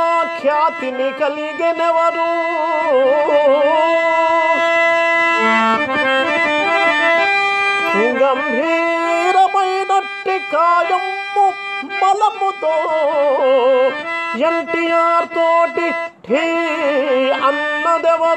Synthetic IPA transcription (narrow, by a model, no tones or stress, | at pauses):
kʰjaːt̪inikɐliɡenɛʋɐɾu | hiɡɐmɦiɾɐmɐjnoʈːikaːjɐm | pu | bɐlɐmut̪oː | jɐɳʈijaːɾt̪oːʈiʈʰi | ɐnːɐd̪ɛʋɐ